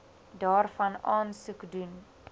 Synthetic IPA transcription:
dɑːrfɐnɑːnsukdun

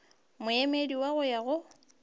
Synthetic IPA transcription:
mʊjɛmediwaɣʊjaɣʊ

